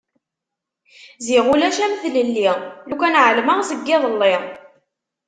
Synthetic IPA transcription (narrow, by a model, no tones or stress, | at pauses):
ziʁulæʃæmθləlːiʁlukænʕəlməʁzəɡːɪðˤəlːe